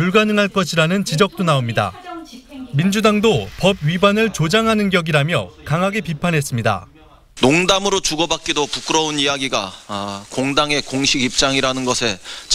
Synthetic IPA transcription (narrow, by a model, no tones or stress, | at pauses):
puɭɡanɯŋɦaɭk͈ʌɕʰiɾanɯnt͡ɕid͡ʑʌk̚t͈onaomɲida̰ | mind͡ʑudaŋdopʌb̚ɥibanɯɭt͡ɕod͡ʑaŋɦanɯnɡjʌɡiɾamjʌkaŋɦaɡe̞pipʰanɦe̞s͈ɯmɲida̰ | noŋdamɯɾot͡ɕuɡʌbak̚k͈idopuk͈ɯɾʌunijaɡiɡakoŋdaŋe̞koŋɕʰiɡip̚t͡ɕ͈aŋiɾanɯnɡʌsʰe̞t͡ɕ